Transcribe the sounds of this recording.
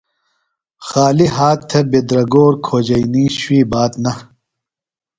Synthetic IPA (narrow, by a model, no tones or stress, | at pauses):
xaːliɦaːtt̪ʰːɐbed̪ɾɐɡoːɾkʰoːd͡ʑɐjniːɕwiːbaːt̪nɐ